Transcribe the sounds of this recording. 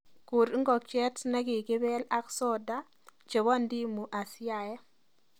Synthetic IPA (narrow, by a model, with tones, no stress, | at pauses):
ku˨ɾŋɡɔ˨k̚t͡ʃɛ˦tna˦kɪ˨kɪ˦bɛ˦la˦ksɔ˦da˦ | t͡ʃe˨wa˦˨ndi˦mu˨ʔa˨sɪ˦a˨jɛ˦